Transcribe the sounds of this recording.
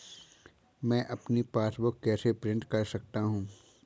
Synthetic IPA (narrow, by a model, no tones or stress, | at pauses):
mɛ̃ːʔɐpnipaːsbʊkːɛːsepɾɪ̃ɳʈkɐɾsɐk̚t̪aɦũː